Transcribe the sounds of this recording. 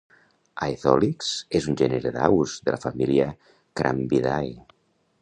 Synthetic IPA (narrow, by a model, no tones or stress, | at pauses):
ajθɔliksezunʲʒɛneɾeðawzðəlafamiliə | kɾa̰mbiðaj